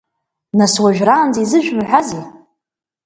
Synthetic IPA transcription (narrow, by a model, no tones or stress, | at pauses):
naswaʒᶣraːnd͡zizɨʒᶣmħʷazi